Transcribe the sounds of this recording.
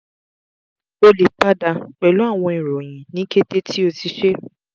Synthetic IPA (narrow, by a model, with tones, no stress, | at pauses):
o˧li˨k͡pa˦da˧k͡pɛ˨lu˨˦a˦˨w̃ɔ̃˧i˨ɾɔ˨j̃ĩ˨nĩ˨˦ke˦te˦tʰi˦o˧ti˧ʃe˦